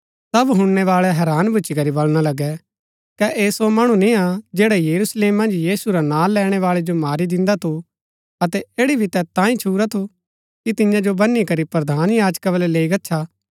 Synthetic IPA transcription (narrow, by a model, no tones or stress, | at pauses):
sɐbɦʊ̃ɳːɛʋaːɭɛɦɛːɾaːnbʱʊːt͡ʃikɐɾibɐlɽ̃alɐɡɛ | kɛʔeːsomɐɽ̃ũnĩad͡ʒeːɽajɐɾusleːmːɐ̃nd͡ʒjiːsuɾanãːlɛːɽ̃ɛʋaːɭɛd͡ʒomaːɾid̪ɪ̃nd̪at̪ʰu | ɐt̪ɛeːɽibʱit̪ɛt̪ãːĩt͡ʃʰuːɾat̪ʰu | kit̪ɪjãd͡ʒobɐnːikɐɾipɾɐd̪ʱaːnjaːd͡ʒkabəlɛleːiɡɐtːʃʰa